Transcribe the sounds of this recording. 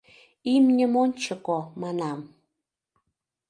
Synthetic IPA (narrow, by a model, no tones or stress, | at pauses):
imɲʲəmont͡ʃʰəkɔmanam